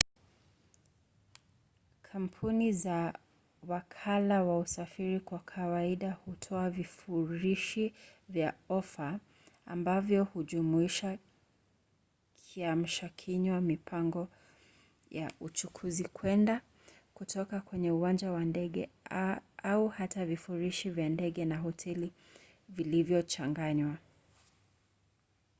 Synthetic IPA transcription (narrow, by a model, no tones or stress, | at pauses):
kʰam̩pʰuniza | wakʰalawausafiɾikwakʰawaiɗahutʰɔavifuɾiʃivjaɔfa̰ː | mbavjɔhuʄumuiʃa | kʰiam̩ʃakʰiɲwamipʰaŋɡɔ | jaut͡ʃukʰuzikʰwɛnda | kutʰɔkakwɛɲɛuwand͡ʒawandɛɠɛ̰ | ʔauhatavifuɾiʃivjandɛɠɛnaɦɔtʰɛli | vilivjɔt͡ʃaŋɡaɲwa